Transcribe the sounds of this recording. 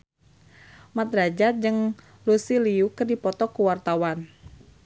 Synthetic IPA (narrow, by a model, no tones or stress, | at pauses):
mat̪ɾad͡ʒat̪̚d͡ʒɨŋ | lusiliukɨrdipɔt̪ɔkuwart̪awan